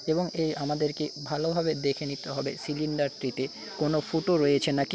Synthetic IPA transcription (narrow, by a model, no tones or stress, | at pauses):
eboŋejʔamad̪eɾkebʱalobʱabed̪ekʰenit̪eɦɔbesiliɳɖaɾt̪ɾit̪e | konofoʈoɾojet͡ɕʰenaki